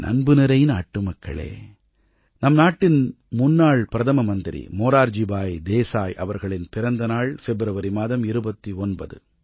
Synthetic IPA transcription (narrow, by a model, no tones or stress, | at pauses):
nʔɐ̰nbɯnɪɾɐjɪnaːʈːɯmɐkːɐ̰ɭḛː | nɐmnaːʈːɪn | mʊnːaːɭpɪɾɐðɐmɐmɐnd̪ɪɾḭmoːɾaːɾd͡ʒibaːjd̪eːsaːjʔɐ̰ʋɐɾɣɐɭɪnpɪɾɐnd̪ɐnaːɭfɛbɾɐʋɐɾimaːðɐmɪɾɯbɐt̪ːiɔnbɐðɯ̰